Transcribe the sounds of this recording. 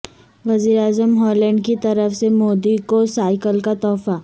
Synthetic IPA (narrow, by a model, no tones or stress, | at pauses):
ʋɐziːɾaːzəmɦɔːlɛ̃ɳɖkit̪ɐɾəfsemoːd̪ikosaːɪkəlkat̪ɔːfa